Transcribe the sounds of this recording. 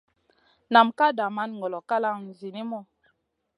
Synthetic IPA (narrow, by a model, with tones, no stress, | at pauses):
na˨mka˦da˨ma˦n˨ŋɡɔ˨lɔ˨ka˦la˦˨ŋn˨zi˨ni˦mɔ˦˨